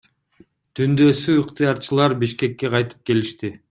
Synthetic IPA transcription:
t̪ʰynd̪ø̞syɯqt̪ɨjɑɾt͡ʃɯlˠɑɾbiʃke̞kːe̞qʰɑjt̪ɯ̥p̚ke̞liʃt̪i

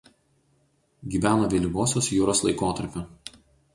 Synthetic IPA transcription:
ɡʲiːʋʲæːnoːʋʲeːlʲiɡoːsʲoːsjuːɾoːslˠɐɪkoːt̪ɐɾʲpʲo

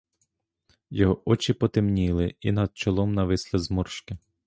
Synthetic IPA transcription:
jɔɦɔʔɔt͡ʃɪpɔt̪ɪmnʲilˠɪinɐd̪̥̚t͡ʃɔlˠɔmnɐʋɪslˠɪzmɔrʃkɪ

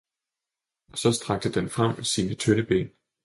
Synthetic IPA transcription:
ɒ̽sɒ̽sd̥ʁɑ̈ɡ̥̚d̥əd̥enfʁɑm̰siːnət͡sʰønəb̥ḛːn

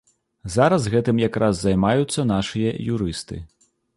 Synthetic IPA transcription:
zaɾɐzɣɛt̪ɨmjakɾʔazːajmajut̪sːɐn̪aʂɨjɐjuɾɨst̪ɨ̰

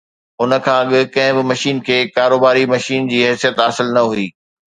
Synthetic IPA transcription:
ʊnə̆kʰãːɐɠɪ̆kɐ̃ɦɪ̃bɪmɐʃiːnkʰeːkaːɾoːbaːɾimɐʃiːnd͡ʑiːɦɛsijət̪aːsɪlnɐɦuiː

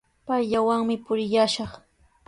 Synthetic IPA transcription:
pajʎawaŋmɪpʊɾɪjaʃɑχ

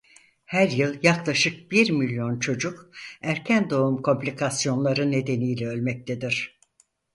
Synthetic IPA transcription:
hæɾjɯlˠjaklˠaʃɯk̚biɾmilʲjo̞nt͡ʃʰo̞d͡ʒukæɾcʰænd̪o̞umkʰo̞mpʲlʲikʰasijo̞nlˠaɾɯne̞d̪e̞nijlʲɛø̞lʲmɛc̚t̪ʰed̪iɾ̥

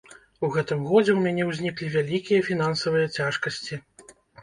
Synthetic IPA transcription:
uɣɛt̪ɨmɣɔd͡zʲɛwmʲanʲɛwzʲnʲiklʲivʲalʲikʲijɐfʲin̪ansɐvɨjɐt͡sʲaʂkɐsʲt͡sʲi

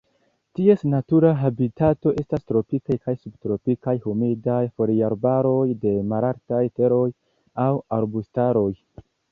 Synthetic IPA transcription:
tie̞snatuɾaɦabitato̞ʔe̞stastɾo̞pikajkajsubtɾo̞pikajhumidajfo̞ɾiaɾbaɾo̞jde̞maɾaɾtajte̞ɾo̞j | awaɾbustaɾo̞j

